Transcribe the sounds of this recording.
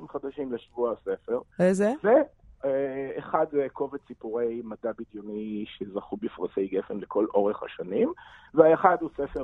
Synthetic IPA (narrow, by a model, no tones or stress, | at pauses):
imχad̪aʃimleʃvuasefe̞ʁezeve | χadeko̞vet͡sipuʁejmadabid̪joniʃezaχubifʁasejɡefenlekʰo̞lʔo̞ʁeχha̰ʃanimveaeχad̪usefe